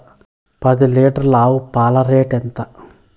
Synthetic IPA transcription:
pɐd̪iliːʈɐɾlaːwupaːlɐɾeːʈent̪ɐ

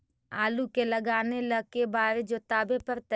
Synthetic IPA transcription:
aːlukeləɡaːneləɡ̚kebaːɾed͡ʒoːt̪aːbepəɾt̪ə

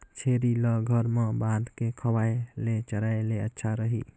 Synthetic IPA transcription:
t͡ʃʰeɾiləɡʱəɾmebad̪ʱkekʰəwajlet͡ʃəɾaeleətːʃʰaɾəɦḭ

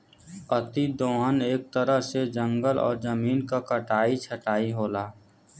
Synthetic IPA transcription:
ət̪id̪oːəneːk̚t̪əɾəɦsed͡ʒə̃ŋɡəlɔ̰ːɾd͡ʒəmiːnkakəʈaːit͡ʃʰəʈaːiɦoːlaː

